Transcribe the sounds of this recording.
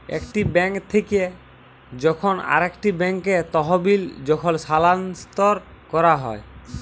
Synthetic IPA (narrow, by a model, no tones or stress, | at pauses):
ḛkʈibɛŋkt̪ʰeke | d͡ʑɔkʰona̰ɾekʈibɛŋket̪ɔɦobild͡ʑɔkʰolsalanst̪ɔɾkɔɾaɦɔe